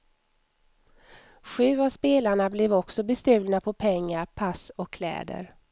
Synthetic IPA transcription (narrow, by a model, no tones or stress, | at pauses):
ɧʉ̟ːavspeːlaɳablɛvɔksɔbɛst̪ʉ̟ːlnapʰɔpʰɛŋːaɾpʰasɔkʰːlɛ̰ːd̪ə̰ɾ